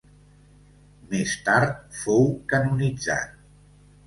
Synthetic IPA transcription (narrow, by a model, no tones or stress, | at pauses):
mest̪aɾt̪̚fowkənunid͡za̰t̪̚